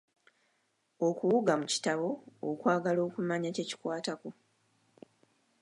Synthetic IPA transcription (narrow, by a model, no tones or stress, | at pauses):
o̞kuwuɡamuci̥taβo̞̰ːkwaːɡalo̞ːkumaɲace̞ci̥kwaːtako